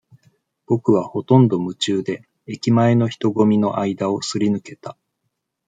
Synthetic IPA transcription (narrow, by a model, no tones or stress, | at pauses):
b̥o̞kɯ̟β̞aho̞t̪õ̞nd̪o̞mɯ̟t͡ɕɨːd̪e̞ː | kʲimae̞no̞çi̥t̪o̞ɡo̞mʲino̞̰ʔaid̪ao̞sɨɾʲinɯ̟ke̞t̪a